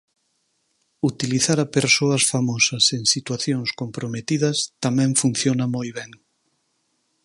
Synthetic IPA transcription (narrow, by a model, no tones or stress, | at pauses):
ut̪iliθaɾɐpeɾsoɐsfamɔsɐseŋsit̪waθjoŋskompɾomet̪iðɐst̪amɛ̃ɱfun̟θjonɐmojβɛŋ